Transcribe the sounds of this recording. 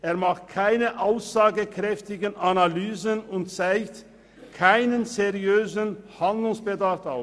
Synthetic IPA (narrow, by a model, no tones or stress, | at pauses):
ʔeːɐmaχt̚kʰaɪnəʔaʊsz̥aːɡəkʁ̥ɛftɪɡənʔanalyːzənʊntt͡saɪkt | kʰaɪnənzeʁiøːzənhandlʊŋsb̥ədafaʊ